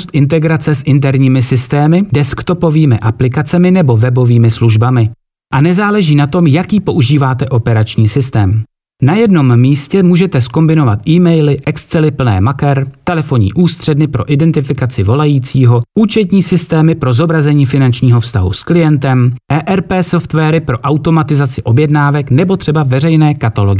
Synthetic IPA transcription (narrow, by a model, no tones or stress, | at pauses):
st̪ʔɪnt̪ɛɡɾat͡sɛsʔɪnt̪̬ɛɾɲiːmɪsɪst̪ɛːmɪdɛskt̪o̞po̞viːmɪʔaplɪkat͡sɛmɪnɛbo̞vɛbo̞viːmɪsluʒbamɪ | ʔanɛzaːlɛʒiːnat̪o̞mjakjiːpo̞ʔuʒiːvaːt̪ɛʔo̞pɛɾat͡ʃɲiːsɪst̪ɛːm | najɛdno̞mːiːscɛmuːʒɛt̪ɛsko̞mbɪno̞vat̪ʔiːmɛjlɪʔɛkst͡sɛlɪpl̩nɛ̰ːmakɛɾt̪ɛlɛfo̞ɲḭːʔuːst̪r̝̥ɛdnɪpɾo̞̰ʔɪdɛnt̪ɪfɪkat͡sɪvo̞lajiːt͡siːɦo̞ʔuːt͡ʃɛt̪̬ɲiːsɪst̪ɛːmɪpɾo̞zo̞bɾazɛɲiːfɪnant͡ʃɲiːɦo̞fst̪aɦṵsklɪjɛnt̪ɛmʔɛːʔɛɾpɛːso̞ft̪vɛːɾɪpɾo̞ʔawt̪o̞mat̪ɪzat͡sɪʔo̞bjɛdnaːvɛknɛbo̞t̪r̝̥ɛbavɛrɛjnɛːkat̪alo̞ɡɪ